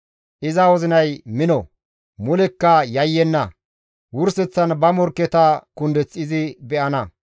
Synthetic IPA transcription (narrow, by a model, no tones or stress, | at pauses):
ʔɪzɐwɔzɪnɐjmɪnɔ | mʊlɛkːɐjɐjːɛnːɐ | wʊɾsɛt͡sːɐnbɐmɔɾkːɛt̪ɐkʊnd̪ɛt͡sʼːɪzɪbɛʔɐnɐ